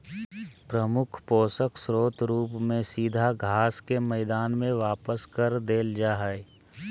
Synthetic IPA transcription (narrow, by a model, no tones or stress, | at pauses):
pɾəmʊkʰpoːsəkʰsɾoːt̪ɾuːpmẽsiːd̪ʱaɡʱaːskemɛːd̪aːnmẽʋaːpəskɐɾd̪eːld͡ʒaːɦae